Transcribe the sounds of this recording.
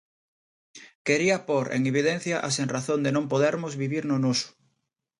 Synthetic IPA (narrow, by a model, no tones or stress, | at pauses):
keɾiapoɾḛŋeβ̞ið̞en̟θjaʔaseŋraθõnd̪enõmpoðeɾmozβiβiɾnonosʊ̥